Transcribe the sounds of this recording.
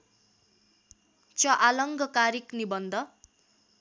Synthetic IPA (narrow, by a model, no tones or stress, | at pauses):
t͡sʌʔalʌŋɡʱʌkaɾiknibʌnd̪ʱʌ